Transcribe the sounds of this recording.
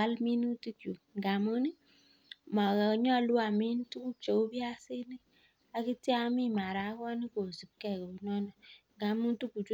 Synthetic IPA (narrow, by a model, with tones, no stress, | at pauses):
a˦lmi˦nu˦ti˦ku˨ŋ˨ɡa˨mu˦ni˦ | ma˨kɛ˨ɲ˦ɔ˦˨lu˦a˨mi˦n˦tu˦ku˦t͡ʃo˨˦bi˦a˦se˦ni˦ | a˦ki˦ti˦a˦mi˦˨ma˨ɾa˨˦kɔ˦ni˦ko˨si˨b̚kɛ˦˨ko˨u˨nɔ˦na˨ŋɡa˨mu˦n˦tu˦ku˨t͡ʃu˦